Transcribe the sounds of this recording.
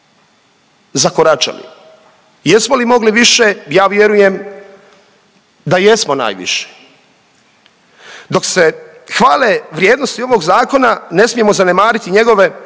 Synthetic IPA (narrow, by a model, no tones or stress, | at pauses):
zakoɾat͡ʃa̰lḭ | jesmo̞limo̞ɡliʋiʃejaːʋje̞ɾuje̞m | d̪aje̞smo̞na̰ːjʋḭʃe̥ | d̪o̞kse̞ | xʋaːleʋɾjeːd̪nost̪io̞ʋoɡzaːko̞nane̞smije̞mozane̞maːɾit̪iɲe̞ɡo̞ʋe̞